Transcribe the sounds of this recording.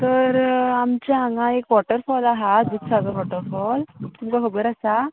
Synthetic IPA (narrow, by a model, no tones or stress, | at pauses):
t̪əɾamt͡ɕaaŋɡãekʋɔʈəɾfɔlaɦad̪ut̪saɡəʋɔʈəɾfɔlt̪umkakʰəbəɾasa